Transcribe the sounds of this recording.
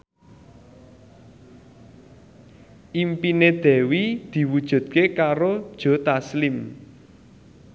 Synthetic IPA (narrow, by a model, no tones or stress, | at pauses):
ʔimpined̪̥ɛ̤wid̪̥i̤wud̥ʒ̥ṳd̪̥̚kekaɾod̥ʒ̥ɔ̤t̪aslɪm